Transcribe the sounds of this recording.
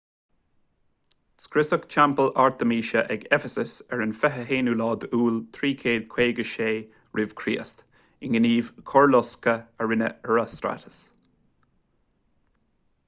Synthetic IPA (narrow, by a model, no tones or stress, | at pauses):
skɾɪsəkt͡ʃʰampəlaɹt̪əmiːʃəʔɛɡɛfəsəsɛɹɪnfɛɦəɦeːnulɑːd̪uːlt̪ʰɾiːkʰeːd̪̚kʰweːɡəʃeː | ɹɪv̥kʰɾiːəst̪ | ɪnɡəniːvkʰɔɹlɔskəəɹɪnə̰əɹast̪ɾa̰tə̥s